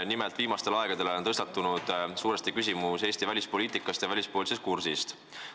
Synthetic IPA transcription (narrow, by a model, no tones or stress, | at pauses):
nimelt̪viːmɑst̪e̞lɑeɡ̥ɑd̪̥e̞lot̪ɤst̪ɑt̪ːˑunud̪̥suːɾest̪ikys̬ʲimuse̞ːsʲt̪ivælʲispo̞liːt̪ˑikːˑɑst̪jɑvælʲispoːlis̬e̞st̪̚kursist̪